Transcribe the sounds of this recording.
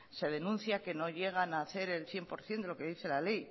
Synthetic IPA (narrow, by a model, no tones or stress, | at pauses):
se̞ð̞e̞nũnθjake̞no̞ʎe̞ɣ̞anaːθe̞ɾe̞lθje̞mpo̞ɾθje̞nd̪elo̞ke̞ðiθe̞lale̞j